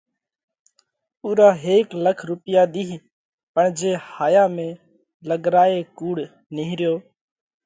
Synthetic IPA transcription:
uːɾaːɦeːkləkʰɾʊpɪjaːd̪iː | pəɳd͡ʒeːhaːjaːmẽː | ləɠɾaːeːkuːɽ | nɪːɦɾɪjoː

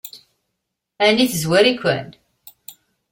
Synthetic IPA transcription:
æniθzwæɾikʷːæ̰n

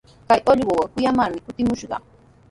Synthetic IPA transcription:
kajʔoʎwowakʊjamaɾmɪkʊt̪ɪmʊʃɢɑ̰

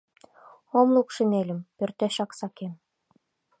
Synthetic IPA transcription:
omlˠukʃinelʲɘ̆mpø̆rt̪eɕɑksɑkem

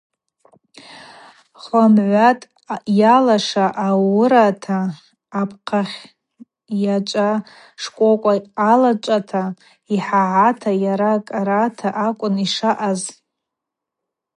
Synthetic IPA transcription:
χʷamʕʷatʼ | jalaʂaʔawʊɾatʰaː | pʰqʰaχʲ | jat͡ʃʷʼa | ʂkʷʼokʷʼaːlat͡ʃʷʼatʰa | iħaʕatʰajaɾakʼaɾatʰaʔakʷʼʊniʂaʔaz

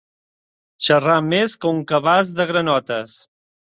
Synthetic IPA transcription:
ʃərameskəuŋkəβazðəɣɾənɔt̪əs

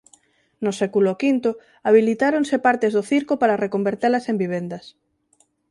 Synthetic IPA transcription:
nʊsɛkulokint̪ʊ | aβ̞ilit̪aɾonsepaɾt̪ezðoθiɾkopaɾɐrekombeɾt̪elɐsembiβ̞end̪ɐs

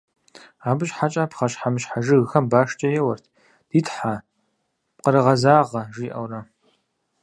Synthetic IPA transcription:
aːbɨɕħat͡ʃʼaːpʰχɐɕħamɨɕħaʒɨɣxɐmbaːʂt͡ʃʼɐjɛwɐrt̪ʰ | d̥iːtħa | p̚qəɾɨʁɐzaːʁɐʒiːʔɐ̰wrɐ

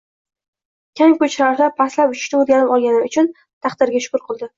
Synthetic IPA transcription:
kʲʰaŋkɵt͡ʃʰɪɾaɾd̪apʰaslapʊt͡ʃʰʊ̥ʃnɪoɾɡʲanɪpɒlˠɡʲanɪʊt͡ʃʰʊn | t̪ʰɑχd̪ɪɾɡʲaʃʊ̥kʊɾqʰɨlˠd̪ɪ

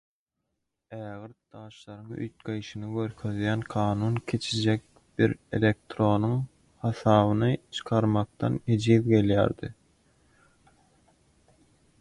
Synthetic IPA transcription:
æːɣɨɾt̪̚d̪̥ɑːʃlˠɑɾɯŋy̰jt̪̚ɡejʃɯnɯɡøɾkʰøðjænqʰɑːnuːnkʲʰe̞t͡ʃʰid͡ʒek̚ | b̥iɾe̞̰lʲe̞k̚t̪ɾo̞nuŋ | hɑθɑːβɯnɯt͡ʃʰɯ̥qʰɑɾmɑq̚t̪ɑ̰nhed͡ʒiːðɡe̞ljæ̰ːɾd̪ḭ

